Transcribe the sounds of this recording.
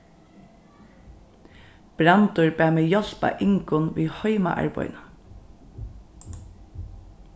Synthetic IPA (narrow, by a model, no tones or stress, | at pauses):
b̥ɾant̪ʊɹbæːmeːjɔl̥pa̰ʔɪŋkʊnʋiːhɔʏma̰ʔa̰ɹpɔ̰jna